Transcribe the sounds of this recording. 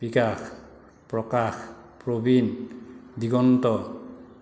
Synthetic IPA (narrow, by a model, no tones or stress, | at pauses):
b̥ikax | pɾɔkax | pɾobind̪iɡɔnt̪ɔ